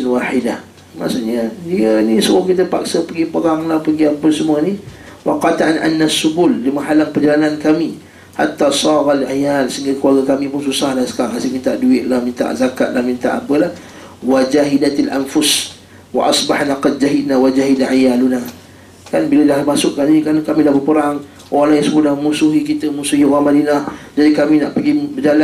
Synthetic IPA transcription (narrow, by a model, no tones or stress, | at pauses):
nwaħidah | ma̰ʔsuɲədiənisəmʊkit̪̬əpa̰k̚səpəɡipəɾaŋlahpəɡiapəsəmuəniwaqɑt̪aʔanʔa̰nːasːubulːimaɦalaŋpərd͡ʒalanankami | ha̰t̪ːasˤɑːɣalʕajalsəiŋɡakəwaɡakamĩpʊnsusahlahsə̥kaaŋasimint̪aʔduɪt̪̚lahmint̪a̰ʔzaka̰t̪̚lahmint̪a̰ʔapəlah | wad͡ʒaɦidat̪alʔa̰nfʊs | wa̰ʔɑsbaħnaqɑd̪̚d͡ʒaɦid̪nawad͡ʒaɦidaʕajaluna | kanbilədahmasʊʔkanikankamidahbəpəɾaŋ | ʔoɾaŋlajisəbʊʔdahəmusuɦikit̪əmusuhioɣamadinahd͡ʒadikamina̰ʔpəɡipəd͡ʒala